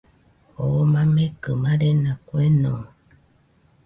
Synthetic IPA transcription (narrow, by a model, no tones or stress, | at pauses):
omãmẽkəmãɾenãkwenõ